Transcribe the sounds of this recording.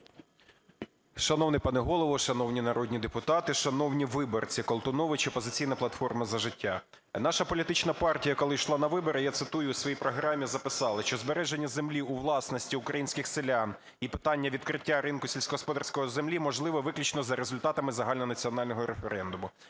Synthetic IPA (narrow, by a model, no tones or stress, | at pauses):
ʃɐnɔwnɪpɐnɪɦɔlˠɔʋɔʃɐnɔwnʲinɐɾɔdʲnʲid̪epʊt̪ɑt̪ɪʃɐnɔwnʲiʋɪbɔrt͡sʲikɔlˠt̪ʊnɔʋɪt͡ʃɛpɔzɪt͡sʲijnɐplˠɐt̪fɔrmɐzɐʒɪtʲːa | nɑʃɐpɔlʲit̪ɪt͡ʃnɐpɑrtʲijɐkɔlˠɪʃlˠɑnɐʋɪbɔɾɪjat̪sɪt̪ujʊːsʋɔjijpɾɔɦɾɑmʲizɐpɪsɑlˠɪʃt͡ʃɔzbeɾɛʒenʲːɐzemlʲiuʋlˠɑsnɔsʲtʲiʊkɾɐjinʲsʲkɪxsɪlʲan | ipɪ̥t̪ɑnʲːɐʋʲid̪̚kɾɪtʲːaɾɪnkʊsʲelʲsʲkɔɦɔspɔd̪ɑrsʲkɔjɔzemlʲimɔʒlˠɪʋɔʋɪklʲʊt͡ʃnɔzɐɾezʊlʲt̪ɑt̪ɐmɪzɐɦɑlʲnɔnɐt͡sʲiɔnɑlʲnɔɦɔɾefeɾɛnd̪ʊmʊ